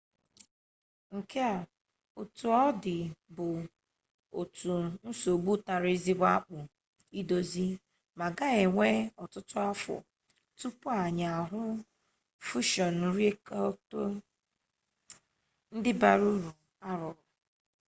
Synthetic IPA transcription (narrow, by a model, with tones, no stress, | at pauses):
ŋ̩˨ke˦a˨ | o˨tu˨ɔ˦dɪ˨bʊ˨ | o˨tu˨n̩˦so˨ɡ͡bu˦ta˨ɾɪ˦zi˦ba˦k͡pʊ˨ | i˦do˦zi˦ | ma˨ɡa˦e˨ŋʷe˦ɔ˨tʊ˦tʊ˦a˦fɔ̰˨ | tu˦pʊ˦a˨ɲa˨ɦʊ˦ | fu˦ʃɔ˨n˨ɾe˦kto˦ | n̩˦dɪ˦ba˨ɾu˦ɾu˨ | a˦ɾɔ˨˦